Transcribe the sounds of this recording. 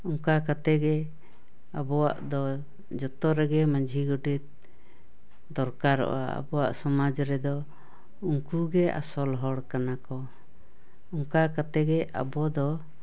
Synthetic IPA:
ɔŋkakat̪ɛɡɛ | abɔwa̰ʔd̪ɔ | d͡ʒɔt̪ɔɾɛɡɛmãd͡ʒʱiɡɔɖit̪̚ | d̪ɔɾkaɾɔ̰ʔa̰a̰bɔwa̰ʔsɔmad͡ʒɾɛd̪ɔ | uŋkuɡɛa̰sɔlɦɔɽkanakɔ | ɔŋkakat̪ɛɡɛʔa̰bɔd̪ɔ

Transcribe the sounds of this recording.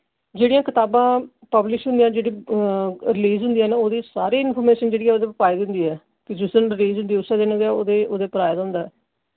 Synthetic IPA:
d͡ʒeːɽijãːkɪt̪aːbãː | pəblɪʃɦʊ̃nd̪ijãːd͡ʒeːɽiː | ɾɪliːzɦʊ̃nd̪ijaːnːoːd̪iːsaːɾiːɪnpʰɔːɾmeːʃənd͡ʒeːɽiːɦɛːoːd̪eːpəpaːiːd̪nd̪iːɦɛː | kɪd͡ʒɪsənɾɪliːzɦʊnd̪iːʊsːɛːd̪ɪnːdɛːoːd̪eːoːd̪eːpəɾaːjd̪aɦʊ̃nd̪aːɛː

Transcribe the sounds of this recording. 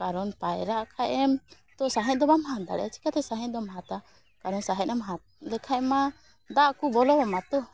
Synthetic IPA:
kaɾɔnpajɾaʔkʰaʔɛm | t̪ɔsaɦɛ̃d̪ɔbamɦãd̪a̰ɽɛ̰t͡ʃʰi̥kat̪ɛsaɦɛ̃d̪ɔmɦat̪a | kaɾɔnsaɦɛ̃ɛmɦa | lɛkʰaʔma | d̪aʔkubɔlɔbɔmat̪ɔ

